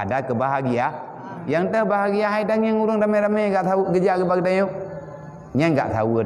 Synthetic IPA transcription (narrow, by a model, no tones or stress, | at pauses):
a̰dakəbahaɡija | jaŋtabahaɡijahaidaeŋuɾuŋdamaɾamejɡataɡəd͡ʒiaɡəbaɡdao | ɲaŋɡa̰ʔta̰wu